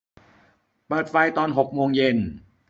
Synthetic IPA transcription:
pɤː˨˩t̪̚fa˧jt̪ɔː˧nɦo˨˩k̚moː˧ŋje˧n

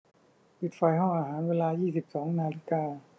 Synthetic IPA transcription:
pi˨˩t̪̚fa˧jɦɔ˥˩ŋʔaː˧ɦaː˩˦nweː˧laː˧jiː˥˩si˨˩p̚sɔː˩˦ŋnaː˧li˦˩kaː˧

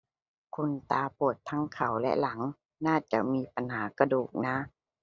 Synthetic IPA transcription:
kʰu˧nt̪aː˧pʰu˨˩ət̪ʰːa˦˥ŋkʰa˨˩wlɛ̰˧la˩˦ŋ | naː˥˩t͡ɕa˨˧˩ʔmiː˧˥pa˧nhaː˩˦ka˧duː˨˩k̚naː˧˥

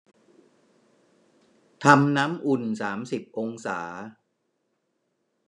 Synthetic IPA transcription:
t̪ʰa˧mnaː˦˥mʔu˨˩nsaː˩˦msi˨˩p̚ʔo˧ŋsaː˩˦

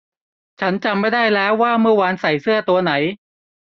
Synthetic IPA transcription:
t͡ɕʰa˦˥nt͡ɕa˧mːa˥˩jdaː˥˩jlɛː˦˥wːaː˥˩mɯ˥˩ɐwa˧nsa˨˩jsɯ˥˩ɐt̪u˧ɐna˩˦j

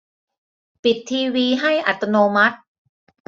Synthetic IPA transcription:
pi˨˩t̪ʰːiː˧wiː˧ɦa˥˩jʔa˨˩t̪ːa˧noː˧ma˦˥t̪̚

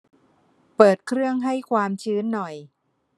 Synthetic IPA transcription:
pɤː˨˩t̪̚kʰɾɯ˥˩əŋɦa˥˩jkʰwaː˧mt͡ɕʰɯː˦˥nːɔ˨˩j

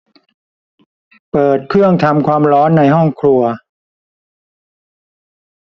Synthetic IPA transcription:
pɤː˨˩t̪̚kʰɾɯ˥˩əŋt̪ʰa˧mkʰwaː˧mɾɔː˦˥nːa˧jɦɔ˥˩ŋkʰlu˧ɐ

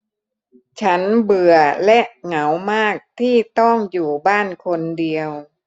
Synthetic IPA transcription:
t͡ɕʰa˦˥nbɯ˨˩ɐəlɛ˦˥ʔŋa˩˦wmaː˥˩k̚t̪ʰiː˥˩t̪ɔ˥˩ŋjuː˨˩baː˥˩nkʰo˧ndi˧əw

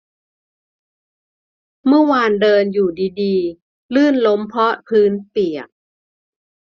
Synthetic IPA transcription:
mɯ˥˩əwaː˧ndɤː˧njuː˨˩diː˧diː˧ | lɯː˥˩nlo˦˥mpʰɔ˦˥pʰɯː˦˥npi˨˩ək̚

